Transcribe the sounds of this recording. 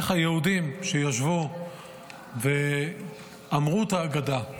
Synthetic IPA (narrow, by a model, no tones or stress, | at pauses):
χajehudimʃejaʃvu | ve | amʁut̪aːɡad̪a